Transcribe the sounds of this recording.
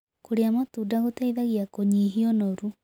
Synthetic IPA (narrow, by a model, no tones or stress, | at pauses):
koɾeamatudaɣotaiðaɣiakoɲiɦiɔnoɾu